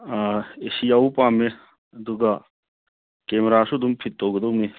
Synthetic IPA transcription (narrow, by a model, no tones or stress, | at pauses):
esiawpame | ɐd̪uɡɐ | kemeɾasud̪umpʰit̚ːowɡɐd̪owni